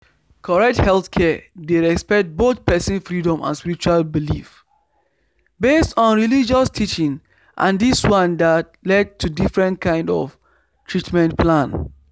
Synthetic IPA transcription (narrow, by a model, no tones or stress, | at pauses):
kʰɔɹɛk̚thɛlˠθkʰɛdeɹɛkspɛk̚t̚botpʰɛsĩnfɹidɔ̃mã̰nspiɾit͡ʃualbilḭf | bestɔ̃nɹilid͡ʒɔstʰit͡ʃĩŋ | ʔã̰ndiswãndat̚ | lɛd̚tʰudifɹɛ̃ntkʰãɪ̃ndɔ̰f | tʰɹitmɛ̃ntpʰlãn